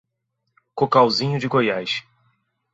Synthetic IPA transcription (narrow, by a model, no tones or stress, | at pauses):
kokawzĩɲʊd͡ʒɪɡojajʃ